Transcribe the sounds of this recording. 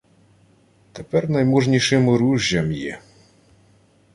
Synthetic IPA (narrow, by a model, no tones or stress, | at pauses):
t̪ɛpɛrnɐjmuʐnʲiʂɨmɾuʒʲːɐmjɛ̰